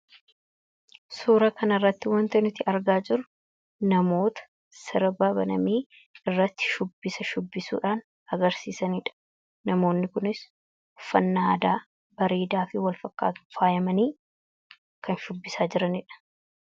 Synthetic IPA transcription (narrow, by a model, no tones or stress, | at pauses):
suːɾɐkɐnɐrːɐt̪ːɪwɐnt̪ɐnɪt̪ːɪʔɐɾɡaːd͡ʒɪɾʊ | nɐmo̞ːt̪ɐ̥ | sɪɾbaːbɐnɐmiː | ɪrːɐt̪ːɪ̥ʃʊbːɪsɐʃʊbːɪsṵːᶑaːn | ɐɡɐɾsiːsɐniːᶑɐ̥ | nɐmo̞ːnːɪkʊnɪs | ʊfɐnːaːd̪aː | bɐɾeːd̪aːfɪwɐlfɐkːa̰ːt̪ʊ̥faːjɐmɐniː | kɐnʃʊbːɪsaːd͡ʒɪɾɐnɪᶑɐ̥